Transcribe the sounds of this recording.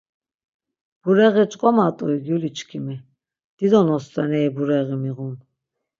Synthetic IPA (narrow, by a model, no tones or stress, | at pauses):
b̥uɾɛɣit͡ʃʼkʼɔmat̪ʼuiɡjulit͡ʃʰkʰimi | d̪̥id̪ɔnɔst̪ʼɛnɛibuɾɛɣimiʁun